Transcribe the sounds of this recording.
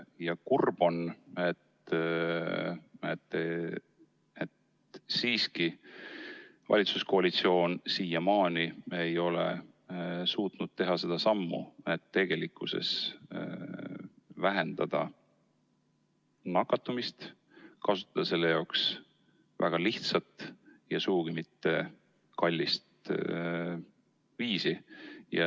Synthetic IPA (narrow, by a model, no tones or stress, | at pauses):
jɑkurb̥o̞net̪ | et̪ːe | et̪ | siːski | vɑ̰lʲit̪susko̞ɑlit̪sio̞ːnsiːjɑmɑːniejo̞lḛ | suːt̪nud̪̥̚t̪e̞ɦɑse̞d̪̥ɑsɑmːṵet̪ːe̞ɡ̥e̞likːˑuse̞̰s | væɦe̞nd̪̥ɑd̪̥ɑ | nɑkːɑt̪ːˑumist̪ | kɑsu̥t̪ːˑɑd̪ɑse̞lːejɑwks | væ̰ɡ̥ɑliht̪sɑt̪jɑsuɡuɡ̥imit̪ːe̞ | kɑlʲːist̪ | viːsijɑ